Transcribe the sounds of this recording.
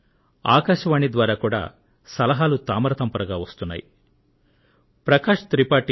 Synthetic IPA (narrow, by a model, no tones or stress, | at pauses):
a̰ːkaːʃɐʋaːɳid̪ʋaːɾaːkuːɽa̰ː | sɐlɐɦaːlut̪aːmɐɾɐt̪ɐmpɐɾɐɡaːʋɐst̪unːa̰ːjḭ | pɾɐkaːʂt̪ɾipaːʈi